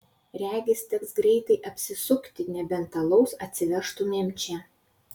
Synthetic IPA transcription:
ɾʲæːɡʲɪst̪ʲɛksɡɾʲɛɪt̪ɐɪʔɐpʲsʲɪsʊkt̪ʲɪnʲɛbʲɛnt̪ɐlˠɐʊsɐt̪ʲsʲɪʋʲɛɾʃt̪ʊmʲɛmʲt͡ʃʲɛ

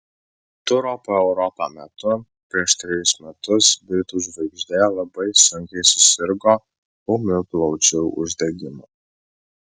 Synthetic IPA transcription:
t̪ʊɾoːpoːɛʊɾɔpamʲɛt̪ʊ | pʲɾʲiɛʃt̪ʲɾʲɪjʊsmʲɛt̪ʊsbʲɾʲɪt̪uʒʲʋɐɪɡʒʲd̪ʲeːjoːlˠɐbɐɪsʊŋʲkʲɛɪsʊ̥sʲɪɾɡoː | omʲɪklˠɔʊt͡ʃʲɛʊʊ̰ʒʲd̪ʲɛɡʲɪmo

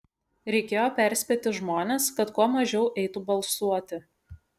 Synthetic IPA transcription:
ɾʲɛɪkʲeːjoːpʲæˑɾʲsʲpʲeːt̪ʲɪʒmoːnʲeːskɐt̪kuɔmɐʒʲɛʊʔɛɪt̪ubɐlˠsuɔt̪ʲɪ

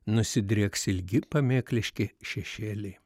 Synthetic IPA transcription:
nʊsʲɪd̪ʲɾʲeːksɪlʲɡʲɪpɐmʲeːklʲɪʃʲkʲɪʃʲɛʃʲeːlʲe

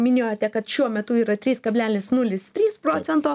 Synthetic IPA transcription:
mʲɪnʲeːjoːt̪ʲɛkɐt̪ʃʲuɔmʲɛt̪ʊiːɾɐt̪ʲɾʲiːskɐbʲlʲæːlʲnʲɪsnʊlʲɪst̪ʲɾʲiːspɾoːt͡s̪ʲɛnt̪oː

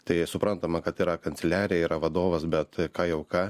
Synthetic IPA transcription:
t̪ɐɪsʊpɾɐnt̪ɐmɐkɐt̪iːɾɐkɐnʲtsʲɛlʲæːɾʲɪjɛiːɾɐʋɐd̪oːʋɐsbʲɛt̪kɑːjɛʊkɑː

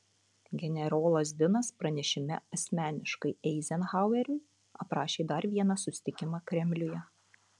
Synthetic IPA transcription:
ɡʲɛnʲɛɾoːlˠɐs̬ʲd̪ʲɪnɐspɾɐnʲɛʃʲɪmʲɛɐsʲmʲæːnʲɪʃkɐɪɛɪzʲɛnɣaˑʊɛɾʲʊɪ | ɐpɾɑːʃʲeːd̪ɐɾʋʲiɛnɑsʊsʲɪ̥t̪ʲɪkʲɪmɑːkɾʲɛmʲlʲʊjɛ

